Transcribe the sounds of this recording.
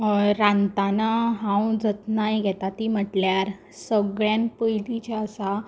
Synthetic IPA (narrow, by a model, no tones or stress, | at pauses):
ɾant̪anaɦãwd͡zət̪najɡʱɛt̪at̪im̤əʈljaɾ | səɡɭjanpəjd̪it͡ɕaəsa